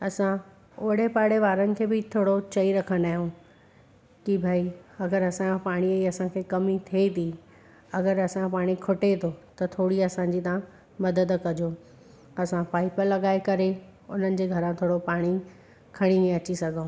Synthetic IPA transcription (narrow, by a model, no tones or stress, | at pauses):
ɐsã | oːɽepaːɽeʋaːɾənɪ̆kʰeːbɪt̪ʰoːɽot͡ɕɐiɾɐkʰə̃nd̪aːɦjũ | kibʱaːiɐɡəɾɐsãpaːɽ̃iɐiɐsãkʰeːkɐmit̪ʰet̪ʰi | ɐɡəɾɐsãpaːɽ̃ikʰʊʈet̪ʰot̪ɐt̪ʰoːɽiɐsãɲd͡ʑit̪ã | mɐd̪əd̪kɐd͡ʑo | ɐsãpaːɪpəɾlːɐɡaːekɐɾeʊn̤ənɪ̆d͡ʑeːɡʱɐɾãt̪ʰoːɽopaːɽ̃i | kʰɐɽ̃inẽɐt͡ɕisɐɡʱõ